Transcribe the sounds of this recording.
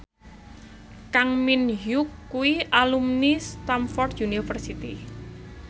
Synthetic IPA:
kaŋminɦukːuwiʔalumnist̪amfɔrd̪junifərsit̪i

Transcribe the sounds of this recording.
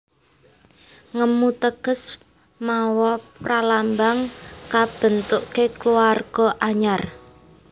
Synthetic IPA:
ŋəmut̪əɡ̥ə̤s | mawɔpralambaŋkab̥ə̤nt̪ʊʔkekluarɡ̥ɔʔaɲar

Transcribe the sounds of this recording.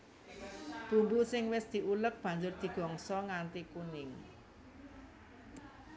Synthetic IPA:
b̥ṳmbusɪŋwɪsd̪̥i̤ʔulək̚b̥a̤ɲd͡ʒʊrd̪̥i̤ɡ̥ɔ̤ŋsɔŋant̪ikunɪŋ

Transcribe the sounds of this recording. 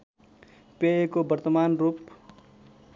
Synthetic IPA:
peekobəɾt̪əmaːnɾuːp

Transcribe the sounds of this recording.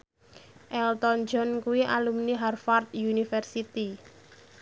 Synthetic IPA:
ʔɛlt̪ɔnd͡ʒɔnkuwiʔa̰lumniɦarfart̪̚junifɛrsit̪i

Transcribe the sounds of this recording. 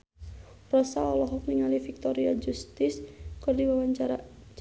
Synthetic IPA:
rɔsaɔlɔɦɔfniŋalifik̚t̪ɔɾiad͡ʒust̪ɪskɨrdiwawaɲt͡ʃaɾa

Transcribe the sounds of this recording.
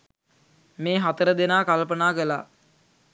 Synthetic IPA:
meːɦat̪əɾəd̪enaːkalpənaːkəla̰ː

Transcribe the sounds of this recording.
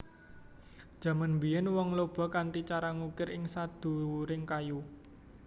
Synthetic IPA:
d̥ʒ̥ä̤manmbijɛnwɔŋlob̥ɔ̤kant̪it͡ʃaɾaŋukɪɾɪŋsad̪̥ṳɾɪŋkaju

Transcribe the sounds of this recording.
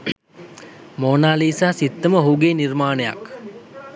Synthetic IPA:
moːnaːliːsaːsit̪ːəməɦuːɡeːnirmaːnəja̰k

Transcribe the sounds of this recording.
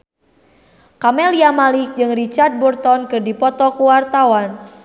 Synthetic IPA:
kamɛliamalɪk̚d͡ʒɨŋrit͡ʃard̪̚bɔrt̪ɔnkɨrdipɔt̪ɔkuwart̪awan

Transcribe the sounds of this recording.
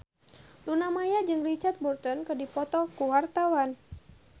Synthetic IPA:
lunamajad͡ʒɨŋrit͡ʃat̪̚burt̪ɔnkɨdipɔt̪ɔkuwart̪awan

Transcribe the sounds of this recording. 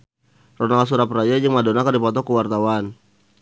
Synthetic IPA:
rɔnals̬uɾaprajad͡ʒəŋmadonakardipɔt̪ɔkəwart̪awan

